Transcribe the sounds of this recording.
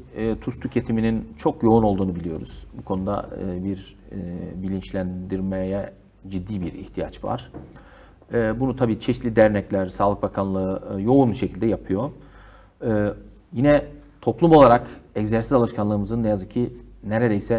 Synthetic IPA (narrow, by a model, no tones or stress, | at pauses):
t̪ʰust̪ʰycʰe̞t̪ʰiminint͡ʃʰo̞kjo̞uno̞lˠd̪uːnubilʲijo̞̰ɾṵz̥bukʰo̞nud̪a̰ɯ̰ːbiɾ | bilʲint͡ʃlʲænd̪iɾmɛjɛ | d͡ʒid̪ːiːbiɾḭht̪ʰija̰t͡ʃva̰ɾ̥ | bunut̪ʰabiːt͡ʃʰɛʃt̪lʲid̪æɾnɛclʲæɾsaːlˠɯk̚bakʰanlˠɯɯjo̞unʃe̞cʰilʲd̪ɛjapʰɯjo̞ | ɯː | jinɛt̪ʰo̞plˠumolˠaɾakɛɟzæɾsizalˠɯʃkʰanlˠɯːmɯzɯnːejazɯcʰːineɾed̪ejsɛ